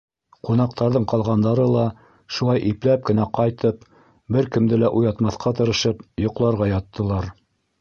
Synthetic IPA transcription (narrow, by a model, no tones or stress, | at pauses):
qunɑq̚t̪ɑɾðɤɴqɑlˠʁɑnd̪ɑɾɤlˠɑ | ʃulˠɑjʔiplæp̚kɘ̆næqɑjt̪ɤp | bɘɾkɘ̆md̪ɘlæʔujɑt̪mɑθqʰɑt̪̬ɤ̆ɾɤ̆ʃɤpjŏqlˠɑɾʁɑjɑt̪ːɤ̆lˠɑɾ